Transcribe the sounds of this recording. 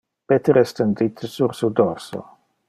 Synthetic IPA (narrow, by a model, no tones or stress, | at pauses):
pet̪eɾɛst̪end̪it̪ʰsuɾsud̪orso̰